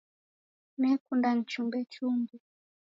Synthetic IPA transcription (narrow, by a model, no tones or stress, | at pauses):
nɛkundan̩t͡ʃumbɛt͡ʃumbi